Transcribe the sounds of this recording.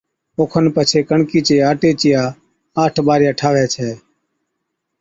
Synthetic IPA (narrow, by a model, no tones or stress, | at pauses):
oːkʰənpət͡ʃʰeːkəɳkiːt͡ʃeːaːʈeːt͡ʃɪjaː | aːʈʰbaːɾɪjaːʈʰaːʋɛːt͡ʃʰɛː